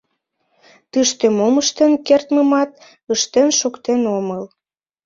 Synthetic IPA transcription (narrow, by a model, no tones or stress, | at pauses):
t̪ɨʃt̪emoməʃt̪enkert̪məmɑt̪ | əʃt̪enʃokt̪enoməl